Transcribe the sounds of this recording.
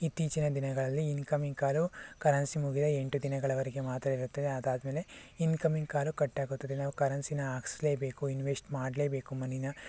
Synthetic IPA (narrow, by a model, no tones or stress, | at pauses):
it̪iːt͡ʃinɐd̪inɐɡɐɭɐlːiːnkɐmiŋɡ̚kaːlukɐɾɐnsimuɡid̪ɐeɳʈud̪inɐɡɐɭɐʋɐɾɛɡe̞maːt̪ɾɐiɾut̪ːɐd̪eɐd̪aːd̪ɐmeːle̞inkɐmiŋɡ̚kaːlukɐʈːaːɡut̪ːɐd̪enaːʋukɐɾɐnsinɐaːksleːbe̞ːkuinʋesʈmaːɽleːbe̞ːkumɐninɐ